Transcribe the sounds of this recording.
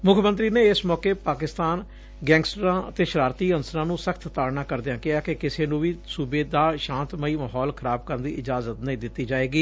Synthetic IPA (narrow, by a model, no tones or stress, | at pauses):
mʊkʰmə̃nt̪̬ɾiːneːɪsmɔːkeːpaːkɪst̪aːn | ɡɛ̃ːŋɡsʈɾãːət̪eːʃəɾaːɾt̪iːənsəɾãːnũːsəkʰt̪t̪aːɽnãːkəɾd̪ɪãːkɪɦaːkekɪseːnũːʋiːsuːbeːd̪aːʃãːnt̪məiːmaːɦɔːlkʰəɾaːb̚kəɾnd̪iːʔɪd͡ʒaːzət̪nəĩːd̪ɪt̪ːiːd͡ʒaːeːɡiː